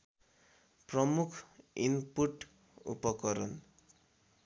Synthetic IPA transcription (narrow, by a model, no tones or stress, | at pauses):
prʌmukʰinpuʈ | ṵpʌkʌɾʌn